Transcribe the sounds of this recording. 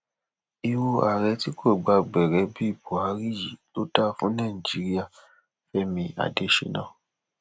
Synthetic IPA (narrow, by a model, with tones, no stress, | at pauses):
i˧wo˧a˨ɾɛ˨˧˦ti˦kʰo˦˨ɡ͡ba˧ɡ͡bɛ˨ɾɛ˨˧˦bi˦i˦˨bo˨a˨˦ɾi˦˨ji˨lo˨˦da˦fũ˦nãː˦˨i˨d͡ʒi˨˦ɾi˦a˦˨ | fɛ˦mĩ˧a̰˨de˨˦ʃḛ˧˦nãː˦˨